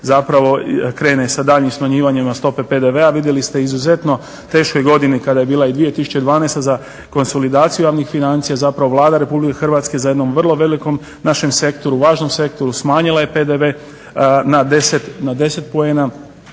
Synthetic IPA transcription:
zapɾaʋo̞kɾe̞ːnesad̪aːʎɲimsmaɲiːʋaɲimast̪o̞pe̞pe̞d̪e̞ʋe̞aʋid̪jelist̪e̞izuze̞t̪no̞ | t̪e̞ːʃko̞jɡo̞d̪inikad̪aje̞biːlˠaid̪ʋije̞t̪isu̥t͡ɕe̞d̪ʋaːnest̪aza | ko̞nso̞lid̪aːt̪sijujaːʋnixfinant̪sijazapɾaʋo̞ʋlˠaːd̪aɾe̞publike̞xrʋaːt̪ske̞zaje̞d̪no̞mʋr̩lˠo̞ʋe̞liko̞m | naʃe̞mse̞kt̪o̞ɾuʋaːʒno̞mse̞kt̪o̞ɾusmaːɲilˠaje̞pe̞d̪eʋe | nad̪eset̪nad̪e̞se̞t̪poe̞ːna

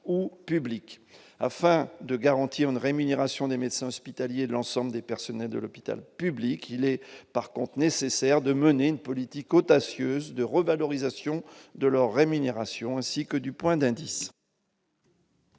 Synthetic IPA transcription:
upyblik | afɛ̃d̪əɡaʁɑ̃t̪ʰiʁynʁemyneʁasjɔ̃d̪emed̪sɛ̃ɔspit̪aljed̪əlɑ̃sɑ̃bləd̪epɛʁsɔnɛld̪ə̰lɔpi̥t̪a̰lpyblikʰilɛpaʁkɔ̃t̪χnesesɛʁd̪əməneynpɔlit̪ikɔd̪asjøzd̪əʁəvalɔʁizasjɔ̃d̪əlœʁːemyneʁasjɔ̃ɛ̃sikəd̪ypwɛ̃d̪ɛ̃d̪is

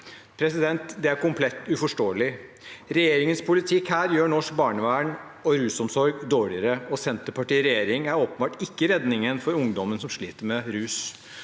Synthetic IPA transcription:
pʰɾɛsɪd̪ɛnt̪d̪ɛæɾkʊmpʰlɛt̪ːʉfɔʂʈoːəlɪ | ɾɛjeːɾɪŋənspʰʊlɪt̪ʰɪkhæːɾjøːɳɔʂk̚bɑːɳəʋæːɳ | ɔɾʉːsɔmsɔɾɡd̪oːɭɪəɾəɔsɛnt̪əpɑʈiːɾɛjeːɾɪŋæɾoːpənbɑːʈɪkːəɾɛd̪nɪŋənfɔɾʊŋd̪ɔmənsɔmʂɭiːt̪əɾmɛɾʉːs

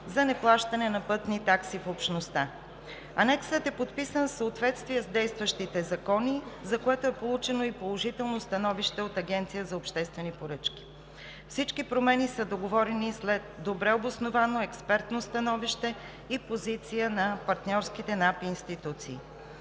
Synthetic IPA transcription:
zɐnɛplˠaʃt̪ɐnɛnɐpɤt̪nit̪aksifopʃnost̪a | ɐnɛksət̪ɛpot̪pisənfsəot̪vɛt̪st̪vijəzd̪ɛjst̪vəʃt̪it̪ɛzɐkɔnizɐkoɛt̪oɛpolˠut͡ʃɛnoipolˠoʒit̪ɛlˠnost̪ɐnɔviʃt̪ɛot̪ɐɡʲɛnt̪sijəzɐopʃt̪ɛst̪vɛnipoɾɤt͡ʃk̟ʲi̥ | fsit͡ʃkipɾomɛnisəd̪oɡovɔɾɛnislɛd̪d̪obɾɛobosnovanoɛkspɛɾt̪nost̪ɐnɔviʃt̪ɛ | ipozit̪sijənɐpɐɾt̪nʲɔɾskit̪ɛnapiːnst̪it̪ut̪siː

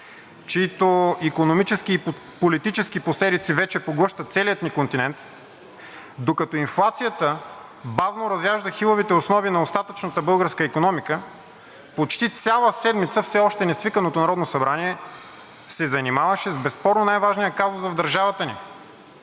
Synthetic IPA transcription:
t͡ʃiit̪oikonomit͡ʃɛskiː | polit̪it͡ʃɛskiposɛd̪it̪sivɛt͡ʃɛpoɡlˠɤʃt̪ət̪sɛlijət̪nikont̪inɛnt̪ | d̪okɐt̪ɔinflˠat̪sijət̪ə | bavnoɾɐzjaʒd̪əxilˠovit̪ɛosnɔvinɐost̪at̪ət͡ʃnət̪əbɤlˠɡəɾskəikonɔmikə | pot͡ʃt̪it̪sʲalˠəsɛd̪mit̪səfsɛɔʃt̪ɛnɛsvikənot̪onɐɾɔd̪nosɐbɾaniɛ | sɛzɐnimavɐʃɛzbɛspɔɾnonajvaʒnijəkazosvɐvd̪ɐɾʒavɐt̪ənḭ

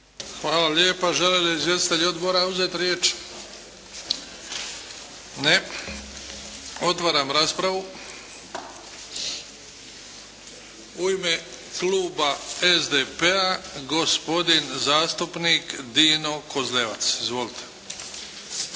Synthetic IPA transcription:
xʋaːlaljeːpaʒeled̪aizʋjest̪i̥t̪eʎo̞d̪boɾauzet̪ɾjeːt͡ʃ | ne | o̞t̪ʋaːɾamɾaːspɾaʋu | uime | kluːbaezd̪epeaɡo̞spo̞d̪inzaːst̪upnikd̪iːno̞ko̞zleʋa̰t̪sizʋolit̪ʰe̥

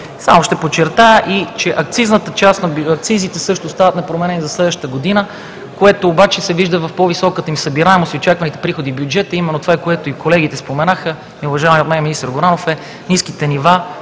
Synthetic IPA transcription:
sa̰moʃt̪ɛpot͡ʃːɛɾt̪ajəʔit͡ʃɛʔɐk̚t̪siznət̪ət͡ʃast̪nɐɐk̚t̪sizit̪ɛsɤʃt̪ost̪avɐt̪nɐpɾomɛnɛnizɐslɛd̪vəʃt̪əɡod̪inə | koɛt̪oːbat͡ʃɛsɛviʒd̪əvɐfpɔvisɔkət̪əimisəbiɾaɛmosiot͡ʃakvɐnit̪ɛ̥pɾixod̪iːbjud͡ʒɛt̪əimɛnːot̪ovaɛkoɛt̪oikolɛɡʲit̪ɛspomɛnaxə | miʊvɐʒaɪmiot̪mɛnɛminist̪əɾɡoɾanofɛ | niskit̪ɛniva

